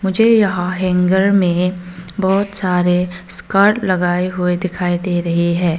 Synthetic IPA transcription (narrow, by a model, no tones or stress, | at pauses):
mʊd͡ʒʱejɐɦãɦɛ̃ŋɡəɾmẽbɔːt̪saːɾeskəɾʈlɐɡaːeɦʊed̪ɪkʰaːid̪eɾɐɦiɦɛ̃ː